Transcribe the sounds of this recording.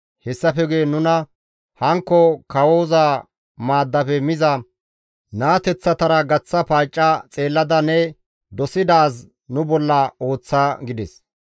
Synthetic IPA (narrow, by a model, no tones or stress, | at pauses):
hɛsːɐfɛɡeːnʊnɐ | hɐŋkːɔkɐwoːzaː | maːd̪ːɐfɛmɪzɐ | naːt̪ɛt͡sːɐt̪ɐɾɐɡɐt͡sːɐpaːt͡ʃʼːɐt͡sʼe̞ːlːɐd̪ɐnɛ | d̪ɔsɪd̪aːs | nʊbɔlːɐo̞ːt͡sːaːɡɪd̪ɛs